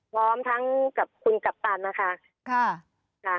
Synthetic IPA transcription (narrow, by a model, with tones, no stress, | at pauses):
pʰɔː˦˥mt̪ʰa˦˥ŋka˨˩p̚kʰu˧nka˨˩p̚t̪aː˧nna˦˥kʰa˦˥ | kʰa˧˥˩ | kʰa˧˩